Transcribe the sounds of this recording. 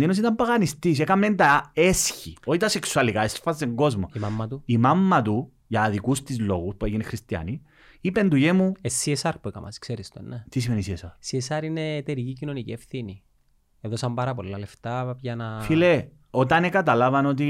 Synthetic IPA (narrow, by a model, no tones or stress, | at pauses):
dinos̬it̪ɐmpɐɣɐnist̪is̬ekɐment̪ɐesçioit̪ɐse̞ksuɐlikaesfɐseŋɡo̞zmo̞̰imamːɐt̪uimɐmːɐt̪u | ʝɐːðikust̪izlo̞̰ɣuspueʝinexɾist̪iɐ̰ni | ipend̪uʝemuesːiesɐɾpuekɐ̰mʔɐ̰skseɾist̪o̰nnːet̪is̬imenisiesɐɾsiesɐɾinet̪eɾicicinonicḭefθini | eðosɐmbɐɾɐp̬olːɐleft̪ɐpʝɐnɐfile | o̞t̪ɐnekɐt̪ɐlɐvɐno̞t̪̬i